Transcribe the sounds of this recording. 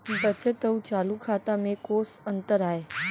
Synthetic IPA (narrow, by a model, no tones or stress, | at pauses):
bət͡ɕət̪əũt͡ɕaːlukʰaːt̪amẽkoːsɐ̃nt̪əɾaːɦeː